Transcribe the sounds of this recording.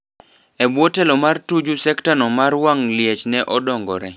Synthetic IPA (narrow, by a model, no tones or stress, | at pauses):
ɛbwɔtɛlɔmartud͡ʒusɛktanɔmarwaŋljɛt͡ʃnɛʔɔdɔŋɡɔ̰ɾɛ